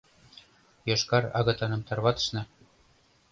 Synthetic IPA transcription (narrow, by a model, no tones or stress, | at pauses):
jɤʃkɑɾɑ̰ɣɤ̆t̪ɑnɤ̆mt̪ɑrβɑt̪ə̥̆ʃnɤ̆